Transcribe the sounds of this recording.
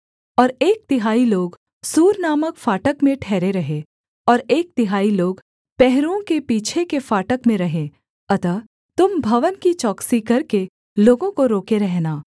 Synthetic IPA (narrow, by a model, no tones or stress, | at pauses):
ɔːɾeːk̚t̪ɪɦaːiloːɡ | suːɾnaːməkfaːʈəkmẽʈʰɛːɾeɾɐɦe | ɔːɾeːk̚t̪ɪɦaːiloːɡ | pɛɦɾõkepiːt͡ʃʰekefaːʈəkmẽɾɐɦẽ | ɐt̪ə | t̪ʊmbʱɐʋənkit͡ʃɔːksikɐɾke | loːɡõkoɾoːkeɾɛɦnaː